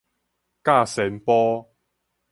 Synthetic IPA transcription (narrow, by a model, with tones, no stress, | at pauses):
kaː˥˩sɛː˨˥npɔː˥